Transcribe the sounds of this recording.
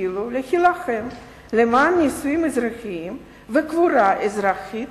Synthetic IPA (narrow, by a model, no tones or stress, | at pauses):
ilulexilaxem | lemaːnːisujimezɾaxiim | vekvuɾaʔezɾaxit̪